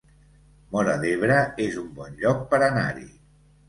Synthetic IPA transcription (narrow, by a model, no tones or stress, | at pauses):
mɔɾəðeβ̞ɾəezumbɔnʎɔk̚pəɾəna̰ɾḭ